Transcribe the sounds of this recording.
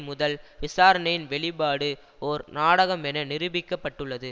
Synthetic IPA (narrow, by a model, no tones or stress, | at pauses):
mʊðɐlʋɪsaːɾɐnɐjɪnʋɛɭɪpaːɽɯ | ɔɾnaːɽɐɣɐmɛnɐnɪɾɯbɪkːɐpːɐʈːɯɭːɐðɯ